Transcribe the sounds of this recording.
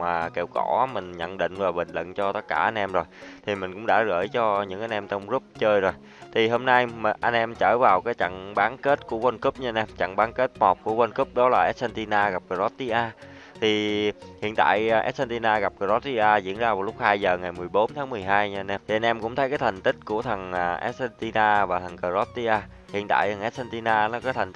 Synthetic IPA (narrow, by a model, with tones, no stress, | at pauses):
maː˨˩ke˧˩wkɔ˧˩˦mï˨˩ŋ̟ɲə̰˧˨nɗḭ̈˧˨ŋ̟vaː˨˩ɓï˨ŋlə̰˧˨nt͡ɕɔ˧t̪ə˦˥t̚kaː˧˩ʔa˧nʔɛ˧mzo˨˩jt̪ʰi˨˩mï˨˩ŋ̟kʊ̰˧˥ŋ͡mɗa̰ː˧˥ɣəː˧˩jt͡ɕɔ˧ɲɨ̰˧˥ŋʔa˧jnʔɛ˧mt͡ɕɔ˧wŋ͡mzu˦˥p̚t͡ɕəː˧jzo˨˩j | t̪ʰi˨˩ɦo˧mna˧jʔa˧jnʔɛ˧mt͡ɕəː˧˩vaː˨˩wkaː˨˦jt͡ɕa̰˧˨ŋɓaː˨˦nke˦˥t̚ku˧˩əwə˧nku˦˥p̚ɲɨ˧nʔɛ˧mt͡ɕa̰˧˨ŋɓaː˨˦nke˦˥t̚mɔ˨˩p̚ku˧˩əwə˧nku˦˥p̚ɗɔ˨˦laː˨˩ʔɛ˦˥t̚sɛ˧nt̪i˧naː˧ɣa˨˩p̚kə˧˩zɔ˦˥t̚t̪i˧ʔaː˧ | t̪ʰi˨˩hḭ˧˨ənt̪a̰ː˧˨jʔɛ̰˦˥t̚sɛ˧nt̪i˧naː˧ɣa˨˩p̚kə˧˩zɔ˦˥t̚t̪i˧ʔaː˧zḭ˧˥ənzaː˧vaː˨˩wlʊ˦˥k͡p̚haː˧jzəː˨˩ŋa˨˩jmɨ˨˩əjɓo˨˦nt̪ʰaː˨˦ŋmɨ˨˩əjɦaː˧jɲɨ˧nʔɛ˧mt̪ʰi˨˩a˧nʔɛ˧mkʊ̰˧˥ŋ͡mt̪ʰə˨˦jkaː˨˦jt̪ʰa˨˩ŋ̟t̪ï˦˥k̟̚ku˧˩ət̪ʰə˨˩ŋː˩ʔɛ˦˥t̚sɛ˧nt̪i˧naː˧vaː˨˩t̪ʰə˨˩ŋkəː˧˩zɔ˦˥t̚t̪i˧ʔaː˧ | hḭ˧˨ənt̪a̰ː˧˨jt̪ʰə˨˩ŋʔɛ˦˥t̚sɛ˧nt̪i˧naː˧nɔ˨˦kaː˨˦t̪ʰa˨˩ŋ̟t̪